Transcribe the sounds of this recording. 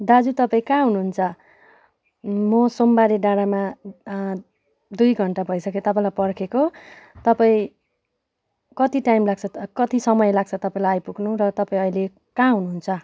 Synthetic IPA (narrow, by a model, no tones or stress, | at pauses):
d̪ad͡zut̪ʌpaĩkãɦunuɦunt͡sʰʌ | mʌsombaɾeɖaɽama | d̪ujɡʱʌɳʈabʱʌjsʌket̪ʌpãĩlajpʌrkʰekot̪ʌpaĩ | kʌt̪iʈajmlaɡ̚t͡sʰʌkʌt̪isʌmʌjlaɡ̚t͡sʰʌt̪ʌpãĩlaajpuɡnurʌt̪ʌpaĩʌile | kãɦunuɦunt͡sʰʌ